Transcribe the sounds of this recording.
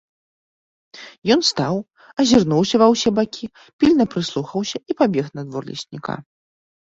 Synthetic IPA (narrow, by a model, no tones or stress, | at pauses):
jɔnst̪aw | ɐzʲirnuwsʲɐvɐwsʲɛbakʲi | pʲilʲnɐpɾɨslˠuxɐwsʲɐipabʲɛxnɐd̪vɔrlʲḭsʲnʲḭka̰